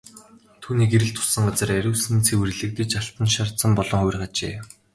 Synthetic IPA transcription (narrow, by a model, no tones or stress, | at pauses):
t̪ʰuːniːkeɾɘ̆ɬt̪ʰʊ̥sə̆ŋɢat͡sə̆ræɾʲuːsɘ̆nt͡sʰeːwerɮɘ̆k̚t̪ɘ̆t͡ɕaɬt̪ə̆nʃart̪sə̆mpɔɮɞ̆ŋχʊjrɢat͡ɕḛː